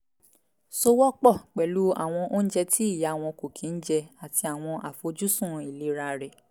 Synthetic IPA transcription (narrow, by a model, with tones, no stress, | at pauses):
so˧˦wɔ˦k͡pɔ˦˨k͡pɛ˨lu˨˦a̰˦˨w̃ɔ̃˧ʔo˦n̩˦d͡ʒɛ˧tʰi˦i˦˨ja˨˦˨w̃ɔ̃˧ko˨kʰĩ˨˦n̩˦d͡ʒɛ˧a˨ti˧a˨w̃ɔ̃˧ʔa˨fo˧d͡ʒu˦sũ˦˨i˨le˨˦ɾa˧ɾɛ˨